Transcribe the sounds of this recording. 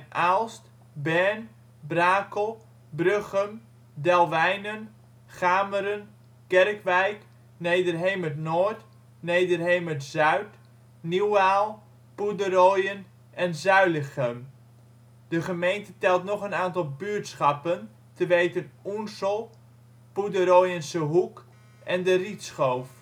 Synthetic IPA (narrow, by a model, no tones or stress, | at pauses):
ʔalˠst | bɛɹn | braːkəlˠ | brøχəm | dɛlˠʋɛjnən | χaːməɾən | kɛrkʋɛjk | nejdərɦejmətnɔɹt | nejdərɦejmətz̥œɥt | niwaːlˠ | pudəɾoːjən | ʔɛnzœɥləχəm | d̥əχəmejntətɛlˠtnɔχənaːntɑlˠbyəɹtsχɑpən | təʋejtənunsəlˠ | pudəɾoːjənsəɦuk | ʔɛndəritsχowf